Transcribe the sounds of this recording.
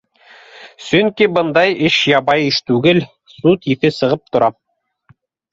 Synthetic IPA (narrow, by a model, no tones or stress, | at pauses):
sɵŋkibɤ̆nd̪ɑjɘʃjɑβɑjɘʃt̪ʉɡɘl | sut̪iθɘsɤ̆ʁɤp̚t̪ŏɾɑ